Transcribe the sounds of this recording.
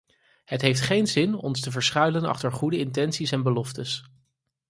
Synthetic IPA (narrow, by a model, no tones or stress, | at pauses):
ɦətɦejftχejnzɪnɔ̰nstəvəɹsχœɥlənɑ̰χtəɹχudəɪntɛnsisɛnbəlɔftəs